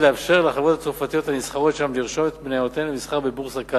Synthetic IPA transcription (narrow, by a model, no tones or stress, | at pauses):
leafʃe̞ʁleaχavot̪at͡sofat̪ijo̞t̪hamisχaʁo̞tʃamliʁʃo̞met̪bneot̪enlemisχaʁbebuʁsaka